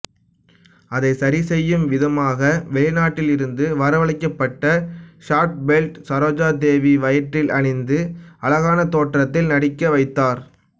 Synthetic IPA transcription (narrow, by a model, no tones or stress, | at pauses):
ɐðɐɪsɐɾɪsɛjːɯmʋɪðɐmaːɣɐʋɛɭɪnaːʈːɪlɪɾɯnd̪ɯʋɐɾɐʋɐɭɪkːɐpːɐʈːɐʂaːʈ̚bɛlʈsɐɾoːd͡ʒaːd̪eːʋiʋɐjɐʈːɪlɐɳɪnd̪ɯɐlɐɣaːnɐt̪oːʈrɐt̪ːɪlnɐɽɪkːɐʋɐɪt̪ːaːɾ